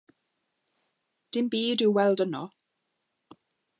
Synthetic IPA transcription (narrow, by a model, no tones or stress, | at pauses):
d̥ɪmbiːdɪwwɛlˠdənɔ